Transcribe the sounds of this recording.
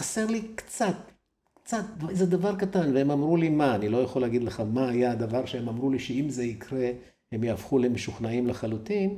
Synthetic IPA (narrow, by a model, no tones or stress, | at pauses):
ase̞ʁlikt͡sat̪̚ | kt͡sat̪vzed̪avaʁkatanveemamʁulimaːnilo̞jaχoleaɡid̪leχamaːjaad̪avaʁʃeemamʁuliʃeimze̞ikʁe̞ | hemjaːfχule̞meʃuχnaimleχalut̪in